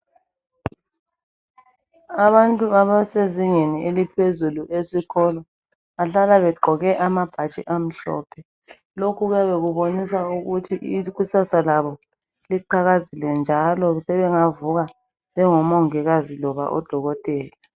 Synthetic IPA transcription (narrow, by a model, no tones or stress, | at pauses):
aβantʼuaβaseziŋenielipʰezuluʔesiɣʰɔlɔ | aɬalaβɛǃʱɔɣɛʔamab̥ʱat͡ʃʼḭʔam̩ɬɔ̰ːpʰɛ | lokʰuɣwjaβeɣuβonisauɣutʰiʔiɣusasalaβɔ | liǃʰaɣazilɛnd͡ʒʱalɔsɛβɛŋavuɣa | βɛŋɔmɔŋɛɣazilɔβa̰ʔɔ̰d̥ʱɔɣɔtʼɛːlɛ